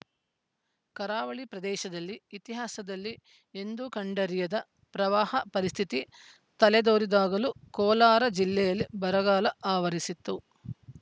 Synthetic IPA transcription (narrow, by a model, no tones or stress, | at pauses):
kɐɾaːʋɐɭipɾɐd̪ɛːʃɐd̪ɐlːiːt̪iɦaːsɐd̪ɐlːi | e̞nd̪ukɐɳɖɐɾijɐd̪ɐ | pɾɐʋaːhɐpɐɾist̪ʰit̪i | t̪ɐlɛd̪oːɾid̪aːɡɐlukɔːlaːɾɐd͡ʒilːɛjɐlːibɐɾɐɡaːlɐaːʋɐɾisit̪ːu